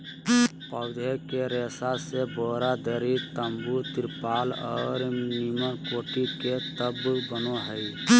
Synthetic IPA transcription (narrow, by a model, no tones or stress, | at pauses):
pəʊd̪ʱekeɾesaseboɾad̪əɾit̪əmbut̪iɾpalɔ̰ːɾmimənkoːʈiket̪əbbənoɦəj